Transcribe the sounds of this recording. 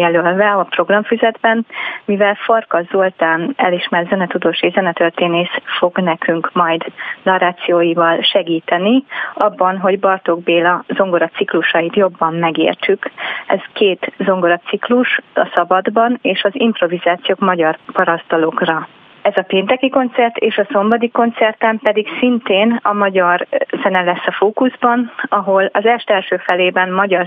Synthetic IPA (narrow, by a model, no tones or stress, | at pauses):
jɛlølvɛɒpro̞ɡrɒɱfyzɛd̪bɛnmivɛlfɒrkɒzolt̪aːnɛ̰liʃmɛrzɛnɛt̪ud̪oːʃeːzɛnɛt̪ørt̪eːneːʃfo̞ɡnɛkyŋkmɒjd̪nɒɾaːt̪sijoːjivɒlʃɛɡiːt̪ɛniɒbːɒnɦo̞ɟbɒrt̪o̞ɡ̚beːlɒzo̞ŋɡo̞ɾɒt̪sikluʃɒjit̪jo̞bːɒmmɛɡḛːrt͡ʃykɛ̰zkeːt̪zo̞ŋɡoɾɒt̪sikluʃɒsɒbɒd̪bɒneːʃɒzimpro̞vizaːt̪sijoːkmɒɟɒrpɒɾɒst̪ɒlo̞krɒ | ɛzɒpeːnt̪ɛkiko̞nt̪sɛrt̪eːʃɒso̞mbɒd̪iko̞nt̪sɛrt̪ɛmpɛd̪iksint̪eːnɒmɒɟɒrzɛnɛlɛsːɒfoːkuzbɒnɒɦo̞lɒzɛʃt̪ɛlʃøːfɛleːbɛnmɒɟɒr